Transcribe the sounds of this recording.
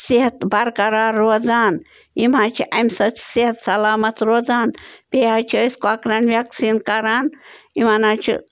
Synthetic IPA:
siɦɐt̪bɐɾkɐɾaːɾoːd͡zaːn | imãːt͡ʃʰiʔɐmsɐt͡ʃʰsiɦɐt̪sɐlaːmɐt̪ɾoːd͡zaːnpeːɦat͡ʃʰiəskoakɾaːnʋjɐksiːnkɐɾaːn | imanaːt͡ʃʰḭ

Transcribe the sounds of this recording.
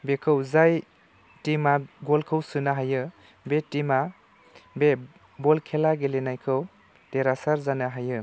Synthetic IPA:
bekʰɯwzaj | timaɡɔlkʰɯwsɯnaɦajɯ | betima | be | bɔlkʰelaɡelenajkʰɯw | teɾasaɾzanaɦajɯ

